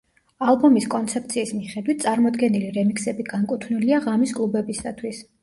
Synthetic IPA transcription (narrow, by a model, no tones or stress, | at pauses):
alˠbɔmiskʼɔnt̪sʰɛp̚t̪sʰiːsmiχɛd̪wit̪̚ʰt̪sʼaɾmɔd̪ɡɛniliɾɛmiksɛbiɡaŋkʼut̪ʰvniliaʁamiskʼlˠubɛbisat̪ʰwis